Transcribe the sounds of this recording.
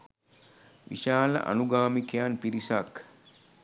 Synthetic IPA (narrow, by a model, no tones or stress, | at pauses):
ʋḭʃaːlɐ̰ʔa̰nuɡaːmikejaːnpiɾisak